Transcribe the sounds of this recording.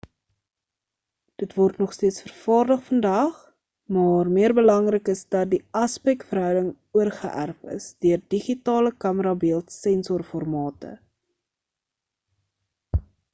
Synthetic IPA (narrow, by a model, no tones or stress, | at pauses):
d̥ətvɔrtnɔχstiətsfərfɑːrdəχfəndɐχ | mɑːrmiərbəlɐŋrəkəsdɐt̚diɐspɛktfərɦœwdəŋ | uərχə̰ʔæ̰rfə̰sdøərdiχitɑːləkɐməɾɑbiəlˠtsɛnsɔrfɔrmɑːtə̰